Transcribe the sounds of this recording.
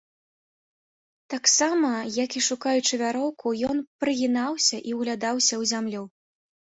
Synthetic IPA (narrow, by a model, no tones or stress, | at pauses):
t̪aksamɐjakiʂukajut͡ʂɨvʲaɾɔwkʰujɔnpɾɨɣʲinawsʲɐʔiuwɣlʲad̪awsʲɐwzʲamlʲu